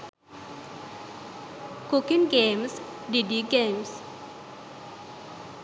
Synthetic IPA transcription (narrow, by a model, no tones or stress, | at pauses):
kukiŋɡems | ɖidiɡems